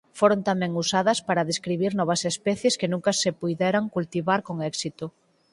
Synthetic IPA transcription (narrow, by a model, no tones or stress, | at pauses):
foɾont̪amɛ̃ŋusaðɐspaɾɐðeskɾiβiɾnɔβɐsespɛθjeskenũŋkɐsepujðɛɾaŋkult̪iβaɾkoŋɛksit̪ʊ